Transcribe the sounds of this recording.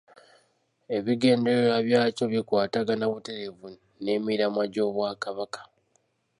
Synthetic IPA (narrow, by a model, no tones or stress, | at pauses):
e̞βiɡe̞ːnde̞eɾaβjaːco̞βikwaːtaɡanaβute̞ɾe̞vu | ne̞miɾamwaɟo̞ːβwaːkaβakḁ